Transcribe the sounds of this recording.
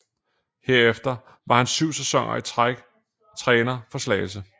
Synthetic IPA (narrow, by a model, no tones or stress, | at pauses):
he̝ɐ̰efd̥ɐ | ʋɑ̈hænsyʊ̰sɛsɒ̽ŋ̰ɐ̰iɡ̥ | t͡sʰʁɛːnɐfɒ̽slɛ̰ɪlsə